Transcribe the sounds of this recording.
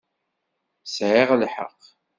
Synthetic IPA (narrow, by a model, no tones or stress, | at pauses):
sʕɪʁlħə̰q